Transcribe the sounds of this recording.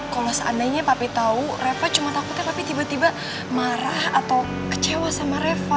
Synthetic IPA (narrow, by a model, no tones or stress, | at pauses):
kalasʔa̰naɲapapit̪aurefat͡ʃumat̪akut̪ɲapapit̪ibat̪iba | maɾahat̪aw | kə̥t͡ʃewasamaɾefa